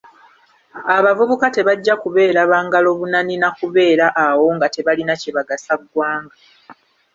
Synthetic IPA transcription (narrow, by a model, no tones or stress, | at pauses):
aβavuβukate̞βaɟːakuβe̞ːɾaβaːŋɡalo̞βunaninakuβe̞ːɾaʔawo̞ŋɡate̞βalinaciβaɡasaɡwaːŋɡa